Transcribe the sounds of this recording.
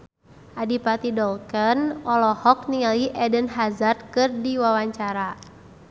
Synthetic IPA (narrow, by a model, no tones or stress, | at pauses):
ʔadipat̪idɔlkənɔlɔhɔk̚niŋaliʔɛdənɦazard̪̚kɨrdiwawaɲt͡ʃaɾa